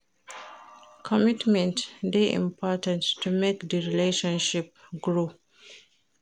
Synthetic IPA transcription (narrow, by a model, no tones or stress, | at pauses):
kʰɔmitmɛ̃ntdeʔḭ̃mpʰɔtə̃nttʰːumekdəɹileʃɔ̃nʃip̚ɡɹo